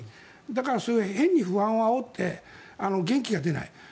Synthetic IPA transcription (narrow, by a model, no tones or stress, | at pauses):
d̪akaɾasohẽ̞ɲ̟ːiɸɯ̟ãɰ̃oaot̪ʰːe̞ano̞ɡẽ̞ŋkʲiɡad̪e̞na̰i